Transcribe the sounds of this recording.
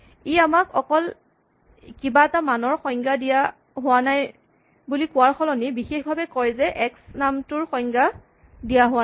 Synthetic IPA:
iamakʰɔkɔl | kibaɛtamanɔɹxɔjŋɡadija | ɦʊwanaj | bulikʊwaɹxʰɔlɔnibixexbʱabɛkɔjzɛʔɛksnamtʊɹxɔŋɡa | dijaɦʊwa

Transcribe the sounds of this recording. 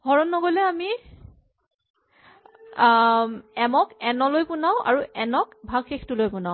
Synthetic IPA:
hɔɹɔnːɔɡolɛami | ɛmɔkɛnɔlojpʊnaʊ̃ʔa̰ɹuʔɛnɔkbʱaɡxexʰtulojpʊnaʊ

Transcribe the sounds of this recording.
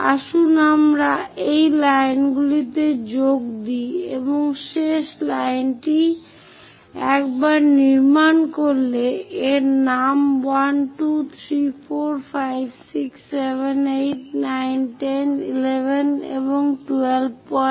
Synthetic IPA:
a̰ʃunamɾaejlajnɡulit̪ed͡ʑok̚d̪iḛboŋʃeʃlajnʈi | ɛkbaɾniɾmankoɾleeɾnamwanʈut̪ʰɾifʰoɾfʰajbsiksːebenejʈ̚najnʈenḭlebʱenḛboŋʈuelb̚pɔ

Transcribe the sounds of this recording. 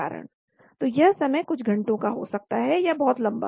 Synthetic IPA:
a̰ːɾə̰ɽ̃ | t̪oːjɐɦsɐməjkʊt͡ʃʰɡʱɐ̃ɳʈõkaɦo̰ːsɐk̚t̪aɦɛjabɔɦʊt̪lɐ̃mba̰

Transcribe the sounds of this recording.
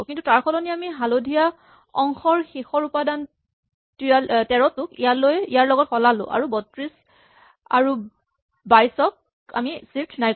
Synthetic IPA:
kintutaɹkʰɔlɔniamiɦalodʱija | ɔ̰ŋxɔɹxixɔɹupadan | tialtɛɹɔtʊkijalojijaɹlɔɡɔt̚xɔlalʊ̰̃ʔa̰ɹubɔtɹis | a̰ɹu | bajsɔk̚ | a̰misiftʰnaj

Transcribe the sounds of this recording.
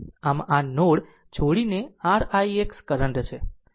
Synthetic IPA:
amanoɽ | t͡ʃʰoɽineaɽaiekskəɾəɳɖt͡ʃʰe

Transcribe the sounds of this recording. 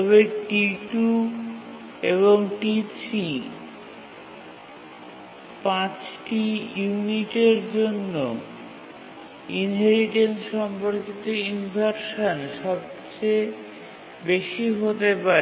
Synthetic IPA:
t̪ɔβeʈiʈu | eβoŋʈisi | pãt͡ɕʈijuniʈeɾd͡ʑonːo | inɦeɾiʈensʃɔmpoɾkit̪oinbʱaɾʃanʃɔb̚t͡ɕe | beʃiɦot̪epa

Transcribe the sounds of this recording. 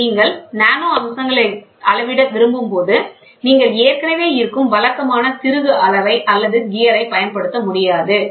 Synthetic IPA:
niːŋɡɐɭnaːnoːɐmsɐŋɡɐɭɐɪɐlɐʋɪɽɐʋɪɾɯmbɯmpoːðɯ | niːŋɡɐɭeːɾkɐnɐʋeːɪɾɯkːɯmʋɐlɐkːɐmaːnɐt̪ɪɾɯɣɯɐlɐʋɐɪʔɐlːɐðɯɡɪːjɐɾɐɪpɐjɐnpɐɽɯt̪ːɐmʊɽɪjaːðɯ

